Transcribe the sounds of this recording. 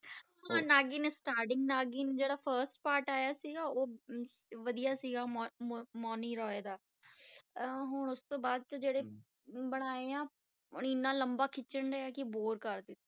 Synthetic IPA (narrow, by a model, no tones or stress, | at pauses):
ɦãːnaːɡiːneːsʈaːɾʈɪ̃ŋɡnaːɡiːned͡ʒeːɽaːpʰəɾsʈpaːɾʈaːjaːsiɡaːoː | ʋəd̪ijaːsiɡaːmɔːniːɾɔːeːd̪aː | ɦʊɳʊst̪õːbaːd̪̚t͡ʃəd͡ʒeːɽeː | bəɽ̃aːeãː | ʊɳɪnːãːləmbaːkʰɪt͡ʃəɳɖejaːkɪboːɾkəɾd̪ɪt̪ː